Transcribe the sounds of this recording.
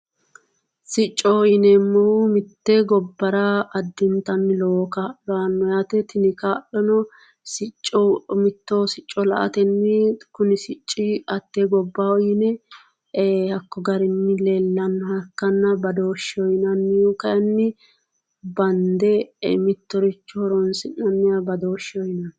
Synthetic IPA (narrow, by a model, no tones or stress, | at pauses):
sɪt͡ʃʼːɔjɪnɛmːɔhʊmɪt̪ːɛɡɔbːɐɾɐʔɐd̪ːɪnt̪ɐnːɪlokaːlɔɐnːɔjaːt̪ɛt̪ʰɪnɪkaːlɔnɔ | sɪt͡ʃʼːɔmɪt̪ːoːsɪt͡ʃʼːɔlɐ̰ʔɐ̰t̪ɛnːɪkʊnɪsɪt͡ʃʼːɪɐt̪ːeɡɔbːawɔjɪnɛ | hɐkːɔɡɐɾɪnːɪlelːɐnːɔhɐkːɐnːɐbɐd̪oːʃːɪɔjnɐnːɪjokɐjɐnːɪ | bɐnd̪ɛmɪt̪ːɔɾɪt͡ʃːɔhɔɾɔnsɪnːɐnːɪɐbɐd̪oːʃɪɔjnɐn